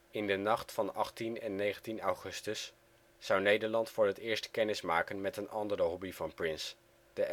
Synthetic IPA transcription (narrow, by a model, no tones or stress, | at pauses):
ɪndənɑχtfɑnɑ̰χtinɛnːejχəntinawχɵstəsː | ʌwnejdəɹlɑntfʊːɹɦətɪːɹstkɛnɪsmaːkənmɛtənɑndərəɦɔbivɑnprɪns | d̥ə